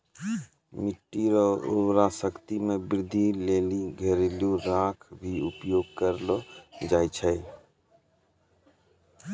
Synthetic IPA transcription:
miʈːiɾɔṵwɾasəkt̪imebɪɾd̪ʱːileliɡʱeɾiluɾakʰbʱiupjoɡ̚kəɾlod͡ʒajt͡ʃʰəj

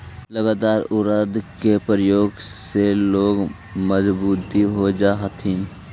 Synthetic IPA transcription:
ləɡaːt̪aːɾʊɾəd̪kepɾəjoːɡseloːɡ | məzbuːt̪iɦod͡ʒaːɦət̪ʰɦɪn

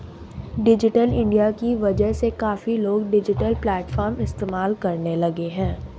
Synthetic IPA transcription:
ɖɪd͡ʒɪʈəlɪ̃ɳɖijakiʋɐd͡ʒəɦsekaːfiloːɡɖɪd͡ʒɪʈəlplɛːʈfʰɔːɾmɪst̪eːmaːlkɐɾnelɐɡeɦɛ̃ː

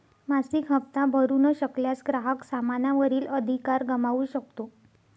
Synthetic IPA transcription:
masikɦəpt̪abʱəɾuːnəɕəkljasɡɾaɦəksamanaʋəɾiːləd̪ʱikaɾɡəmaʋuːɕək̚t̪o

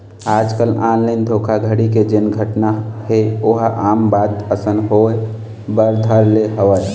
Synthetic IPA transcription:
aːd͡ʒkəlaːnləɪnd̪ʱokʰaɡʱəɽiked͡ʒenɡʱəʈnaheoɦʔaːmbaːd̪əsənɦoe | bəɾd̪ʱəɾleɦəwəj

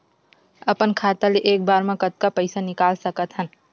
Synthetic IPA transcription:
əpənkʰaːt̪aleʔeːk̚baːɾmẽkət̪̚kapəɪsanɪkaːlsəkət̪ɦən

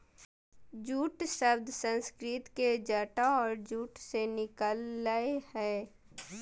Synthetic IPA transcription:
d͡ʒuːʈsəbd̪ʱsə̃nskɾɪt̪ked͡ʒəʈaɔːɾd͡ʒuːʈsenɪkəlːaːehɛː

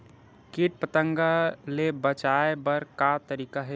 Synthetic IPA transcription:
kiʈ̚pət̪ə̃ŋɡalebət͡ʃaebəɾkat̪əɾiːkaɦɛ

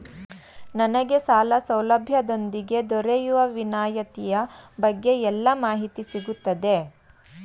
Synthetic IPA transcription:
nɐnɐɡe̞saːlɐsɐwlɐbʱjɐd̪o̞nd̪iɡe̞d̪ɔɾejuʋɐʋinaːjɐt̪ijɐbɐɡːe̞ɛlːɐmaːɦit̪isiɡut̪ːɐd̪e

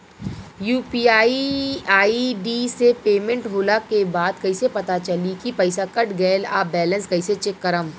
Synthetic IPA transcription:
juːpiːaːiaːiɖiːsepeːmə̃ɳʈɦoːlakebaːd̪kɐisepɐt̪at͡ʃɐlikipɐɪsakɐʈɡɛːla̰ːbɛːlə̃nskɐiset͡ʃɪkːəɾəm

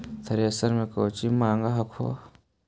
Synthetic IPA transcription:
t̪ʰɐɾeɐsɐɾmẽkoːt͡ʃimaːŋɡaɦɐkʰo̰ː

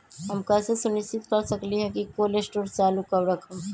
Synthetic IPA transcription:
ɦɐmkɐsesʊnɪʃst͡ʃɪt̪kəɾsɐkliɦɛkikoːlesʈoːɾt͡ʃaːlukɐɾɾɐkʰəm

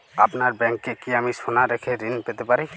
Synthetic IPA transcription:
apnaɾbɛŋkːɛkiamisɔnaɾɛkʰɛɾinpɛt̪ɛpaɾi

